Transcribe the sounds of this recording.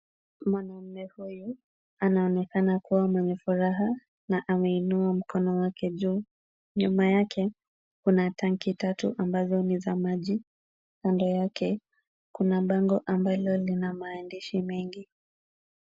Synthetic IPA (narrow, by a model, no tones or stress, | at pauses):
mwanam̩mɛhuju | anaɔnɛkanakuwamwɛɲɛfuɾaɦa | naʔamɛinuam̩kʰɔnɔwakʰɛʄuː | ɲumajakʰɛ | kunataŋkitatuʔambazɔnizamaʄi | kandɔjakɛ | kunaɓaŋɡɔʔambalɔlinamaːndiʃimɛŋɡi